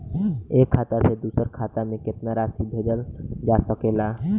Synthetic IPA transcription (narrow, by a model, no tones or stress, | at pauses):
eːkʰːat̪ased̪usəɾkʰat̪amẽkɪt̪naɾasibʱed͡ʒəld͡ʒasəkela